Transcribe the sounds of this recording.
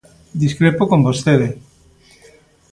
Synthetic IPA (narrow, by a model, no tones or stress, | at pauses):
d̪iskɾepokombost̪eðe